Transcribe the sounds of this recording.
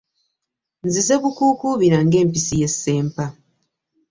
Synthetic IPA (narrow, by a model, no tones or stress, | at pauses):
nzize̞βukuːkuβiɾaŋɡe̞ːmpisije̞sːe̞ːmpa